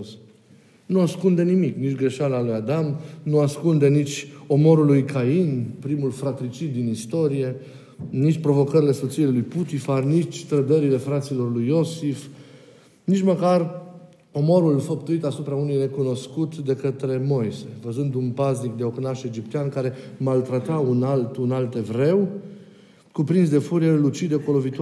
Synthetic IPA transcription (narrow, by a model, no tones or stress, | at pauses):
s | nuaskund̪e̞nimiknit͡ʃʲɡɾe̞ʃaləːlujad̪amnuaskund̪e̞nit͡ʃʲo̞mo̞ɾulujkʰainpɾimulfɾat̪ɾit͡ʃit̪̚d̪inist̪o̞ɾije̞ | nit͡ʃʲpɾo̞vo̞kəɾile̞sot̪silelujput̪ifarnit͡ʃʲt̪ɾəd̪əɾile̞fɾat̪silo̞rlujo̞sif | nit͡ʃməkar | o̞mo̞ɾulfəpt̪uit̪asupɾaunujne̞kuno̞skut̪d̪e̞kət̪ɾe̞mo̞jse̞vəzund̪unpaznik̚d̪e̞o̞knaʃe̞d͡ʒipt̪eankaɾe̞malt̪ɾat̪aunalt̪unalt̪evɾe̞w | kupɾinsd̪e̞fuɾielut͡ʃid̪ekolovit̪u